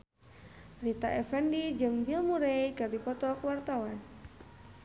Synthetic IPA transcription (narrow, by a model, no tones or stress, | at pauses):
rit̪aʔɛfɛndid͡ʒɨŋbilmuɾejkɨrdipɔt̪ɔkuwart̪awan